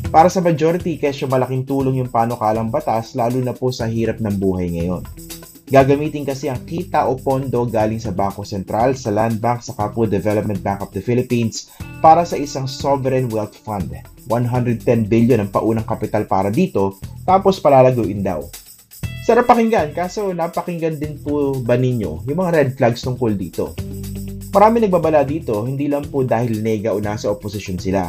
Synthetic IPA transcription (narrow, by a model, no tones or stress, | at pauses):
paːɾɐsɐmɐd͡ʒoɾɪt̪ikɛsʃomɐlɐkɪŋt̪uːloŋjʊŋpaːno̞kaːlɐŋbɐt̪aslaːluːnɐposɐhiːɾɐp̚nɐŋbuːɦɐjŋɐjo̞n | ɡaːɡɐmiːt̪ɪnkɐsɛɐŋkiːt̪ɐʔopo̞nd̪o̞ɡaːlɪŋsɐbaŋko̞sɛnt̪ɾalsɐland̪̚baŋksɐkaːpod̪ɛvɛlop̚mɛ̃nt̪̚baŋkovd̪ɐfɪlɪpinspaːɾɐsɐʔɪsaŋsovɛɾɛnwɛlt̪fand̪wanɦand̪ɾɛd̪̚t̪ɛnbɪljonɐŋpɐʔuːnɐŋkɐpɪt̪alpaːɾɐd̪iːt̪o̞t̪aːpo̞spɐlaːlɐɡuːʔɪnd̪a̰w | sɐɾɐpɐkɪŋɡankaːso̞napɐkɪŋɡɐnd̪ɪnpʊbɐnɪɲo̞̰jʊŋmɐŋaɾɛd̪̚flaɡst̪ʊŋkold̪iːt̪o̞̰ | mɐɾaːmɪŋnɐɡ̚baːbɐlad̪iːt̪o̞hɪnd̪iːlɐŋpod̪aːhɪlnɛɡɐʔʊnasɐʔoposɪʃjonsɪla̰